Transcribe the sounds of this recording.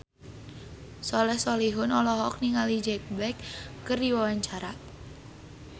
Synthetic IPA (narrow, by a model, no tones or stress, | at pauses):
sɔlɛhsɔliɦʊnɔlɔɦɔk̚niŋalid͡ʒɛk̚bɛkːərdiwawaɲt͡ʃaɾa